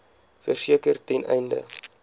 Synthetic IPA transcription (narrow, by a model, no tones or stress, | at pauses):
fərsiəkərtɛnʔɛ̰jndə̰